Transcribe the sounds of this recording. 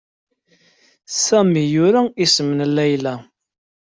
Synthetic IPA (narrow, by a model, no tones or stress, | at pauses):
sæmijʊɾæisəmənlːæjlæ